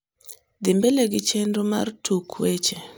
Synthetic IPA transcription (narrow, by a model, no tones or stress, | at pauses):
d̪ɪmbeleɡɪt͡ʃendoma̰rtʰukʰwet͡ʃe